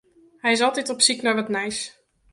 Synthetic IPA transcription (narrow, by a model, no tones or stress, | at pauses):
hɛjɪs̬ɑlˠtɛtɔpsiknɔjʋɑtnɛjs